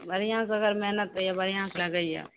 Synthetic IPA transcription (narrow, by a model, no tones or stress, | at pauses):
bɐɾɪjãːs̬ɐɡəɾmɛɦnət̪̚jabɐɾijãːslɐɡəija̰ː